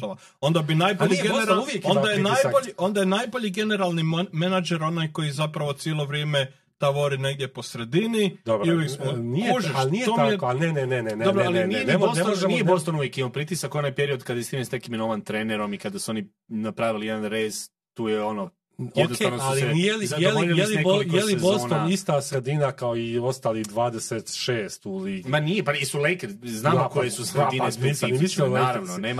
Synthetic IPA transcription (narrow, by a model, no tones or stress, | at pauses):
oʋa | o̞nd̪abinajboʎiɡeɾauʋjekond̪ajenaːjboʎio̞nd̪ajenajboʎiɡe̞ne̞ɾalˠnimenad͡ʒeɾo̞najko̞jizapɾaʋo̞t̪sjelˠoʋɾjeːme | t̪aʋoɾineɡd̪je̞po̞sɾe̞d̪inid̪obɾiujeksmoniuʒeʃalnijt̪omijenenenenend̪obɾoalinijeneosneoʒnijepost̪onuʋjekinupɾit̪isakonajpeɾio̞d̪kad̪jest̪imesnekiminoʋant̪ɾeneɾo̞mikad̪asuo̞ni | napɾaʋilijed̪anɾeːz | t̪uːjeono | jod̪kʰenoalinijeliajeliejelinebolikjelizbosoːnonist̪asɾe̞d̪inakaoio̞st̪aːliɣd̪ʋaːd̪eset̪ʃeːst̪ulimanijepaisulejkeɾznaːmokojesusɾeinnesɾisiimisinaːɾaʋnoneːma